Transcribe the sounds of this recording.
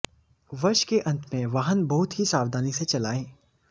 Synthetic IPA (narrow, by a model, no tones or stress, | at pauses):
ʋɐɾʃkeʔɐ̃nt̪mẽʋaːɦənbɐɦʊt̪ɦisaːʋd̪ʱaːniset͡ʃɐlaːẽː